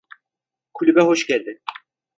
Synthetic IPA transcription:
kʰulʲybɛɦo̞ʃɟælʲd̪ɪ

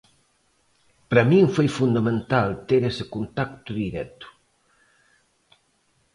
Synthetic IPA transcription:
pɾamĩŋfojfund̪amẽnt̪alt̪eɾesɪkunt̪akt̪uðiɾɛt̪ʊ̥

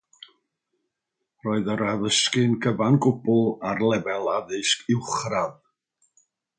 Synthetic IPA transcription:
rɔːɨðəɾaðəskɨnɡʰəvanɡʊbʊlˠarlˠɛvɛlˠaðɨskʰɪwχrað

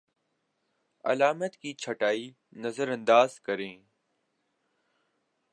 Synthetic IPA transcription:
ɐ̰laːmət̪kiːt͡ʃʰəʈaːiː | nəzəɾə̃nd̪aːzkəɾẽː

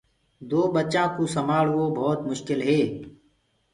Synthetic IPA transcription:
d̪oːbətːt͡ʃãːkuːsəmaːɽʋoːbʱɔːt̪mʊʃkɪlɦeː

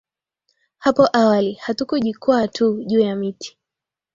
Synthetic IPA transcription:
hapɔʔawalihatukuʄikwatʰuʄuːjamitʰi̥

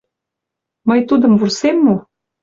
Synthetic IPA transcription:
məjt̪ud̪ə̆mvursemːu

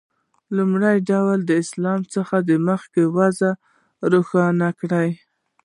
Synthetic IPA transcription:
lumɽajɖawld̪əɪslɑmt͡səxad̪əməxkewaza | ɾuxɑnakɽaj

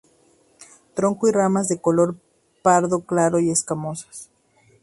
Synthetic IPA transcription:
t̪ɾo̞ŋkoiramazðe̞kolo̞ɾ | paɾðo̞klaɾo̞ie̞skamo̞sḁs

